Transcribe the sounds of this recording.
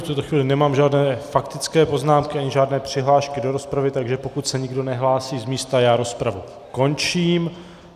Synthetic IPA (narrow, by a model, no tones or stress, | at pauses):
ft̪ut̪oxviːlɪnɛmaːmʒaːdnɛːfakt̪ɪt͡skɛːpo̞znaːmkɪʔaɲɪʒaːdnɛːpr̝̥ɪɦlaːʃkɪdo̞ɾo̞spɾavɪt̪aɡʒɛpo̞kut̪sɛɲɪɡdo̞nɛɦlaːsiːzmiːst̪ajaːɾo̞spɾavu | ko̞nt͡ʃiːm